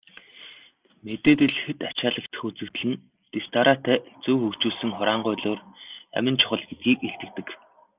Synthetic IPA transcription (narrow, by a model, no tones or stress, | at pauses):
met̪eːt̪ɘ̆ɮɘ̆xɘ̆t̪at͡ɕaːɮə̆kt̪xut͡sɘ̆wt̪ɮɘ̆n | t̪est̪aɾat̪æːt͡suːxɵkt͡ɕuːɮsɘ̆ŋχʊɾaːɴɢʊːɮoːræ̰mʲɪ̆nt͡ɕʰʊ̥χə̆ɮɡet̪̚ɡiːkeɬt̪ɘ̆k̚t̪ɘ̆k